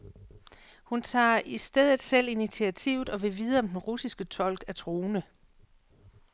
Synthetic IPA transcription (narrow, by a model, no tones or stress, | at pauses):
hunt͡sʰɑ̰̈ːisd̥eð̞̰ˠð̩ˠsel̰init͡sʰiæt͡sʰḭʊð̩ˠɒ̽ʋe̝ʋiːð̞ˠəɒ̽md̥enʁusisɡ̥ət͡sʰɒ̽l̰ɡ̥æt͡sʰʁoːnə